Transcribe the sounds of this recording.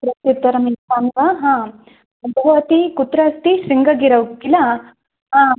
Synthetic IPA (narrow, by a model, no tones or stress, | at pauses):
pɾɐt̪jut̪ːɐɾɐminpaːnʋaɦãː | ɐbʱɐɐt̪ikut̪ɾɐst̪isiŋɡɐɡiɾɐʋkːila | ɦãː